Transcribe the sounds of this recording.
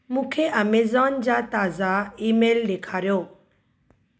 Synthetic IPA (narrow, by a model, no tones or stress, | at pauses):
mũːkʰeʔɐmeːzaːnd͡ʑat̪aːzaiːmeːldekʰaːɾjoː